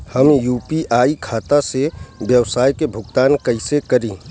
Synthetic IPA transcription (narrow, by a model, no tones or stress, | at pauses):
hɐmjuːpiʔaːikʰaːt̪asebjɐwsaːjkebʱʊɡt̪aːnkɐɪsekɐɾĩː